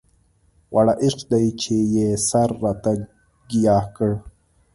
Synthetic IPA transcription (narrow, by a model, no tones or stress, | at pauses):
wʔaɽaʔiʂqd̪ajt͡ʃʰejesaɾːat̪a | ɡijaːhkəɽ